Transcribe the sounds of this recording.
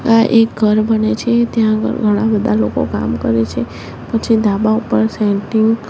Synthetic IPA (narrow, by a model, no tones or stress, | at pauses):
aʔek̚ɡʱəɾbənet͡ʃʰet̪jã̰ɡʱəɽ̃ãbəd̪ʱaloko̰ka̰mkəɾet͡ʃʰe | pət͡ʃʰid̪abaupəɾsɛ̃ɳʈiŋɡ